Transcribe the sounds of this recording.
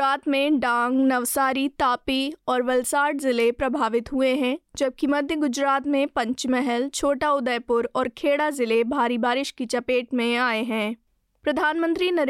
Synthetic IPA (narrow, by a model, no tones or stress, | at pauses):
aːt̪mẽɖãːŋɡnɐʋsaːɾit̪aːpiɔːɾʋɐlsaːɾɖzɪlepɾɐbʱaːʋɪt̪ɦʊeɦɛ̃d͡ʒɐb̚kimɐd̪ʱjəɡʊd͡ʒɾaːt̪mẽpɐ̃ɲt͡ʃmɛɦɛlt͡ʃʰoːʈaʊd̪əjpʊɾɔːɾkʰeːɽazɪlebʱaːɾibaːɾɪʃkit͡ʃɐpeːʈmẽaːeɦɛ̃ː | pɾɐd̪ʱaːnmə̃nt̪ɾinɐɾ